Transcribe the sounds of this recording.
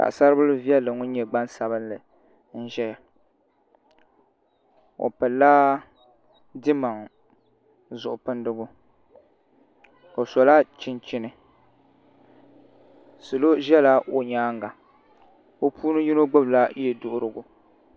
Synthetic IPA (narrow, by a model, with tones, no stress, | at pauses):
ka̰˨ʔsa˦ɾɨ˦bɨ˦lɨ˦vi˦ɛ˦lːɨ˨ŋʊ˦ɲɛ˨ɡ͡ba˦nsa˨bɨ˦nlɨ˨ | n̩˦ʒɛ˦ja˨ | o̰˨pɨ˨lːaː˦ | dɪ˦ma˨ŋ˨ | zʊ˨ʔʊ˨pɨ˦ndɨ˦ɡʊ˦ | o˨sɔ˨la˦t͡ʃɪ˦nt͡ʃɪ˦nɨ˨ | sɨ˨lo˦ʒɛ˦la˦ʔo˨ɲaː˦ŋ˦ɡa˨ | o˦pʰuː˦nɨ˦ji˦no˦ɡ͡bʊ˦bla˦jɛ˨dʊ˦ʔʊ˦ɾɨ˨ɡʊ˨